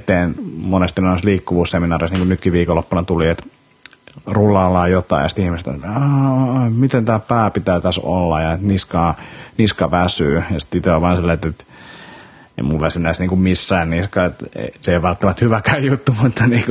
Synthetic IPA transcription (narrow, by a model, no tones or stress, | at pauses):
t̪eːnmonest̪inosliːkːuʋuːsseminɑːrisniːŋkunyt̪kiʋiːkolːopːɑnɑt̪uliet̪ | rulːˑɑːlːɑːjot̪ɑ̰ijɑsi̥t̪ihmist̪o̰ɑmit̪ent̪æːpæːpit̪æyt̪æso̰lːɑjɑet̪niskɑːniskɑʋæsyːjɑsi̥t̪sit̪æoʋɑːnsilːæɑet̪et̪ | ḛimulʋæsinːæisniːŋkummisːæːnniskɑːet̪ḛseiʋɑlt̪ːɑmɑt̪hyʋækæjjut̪ːumut̪ːɑniːk